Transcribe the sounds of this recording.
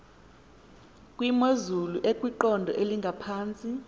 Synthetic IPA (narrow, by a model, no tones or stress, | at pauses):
kʼwimozuluʔekʼwiǃɔndʱɔʔeliŋɡʱapʰaːnt͡sʼi